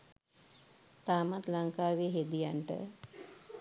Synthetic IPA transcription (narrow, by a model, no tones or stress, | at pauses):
t̪aːmat̪laŋkaːʋiɦed̪ijaɳʈə̰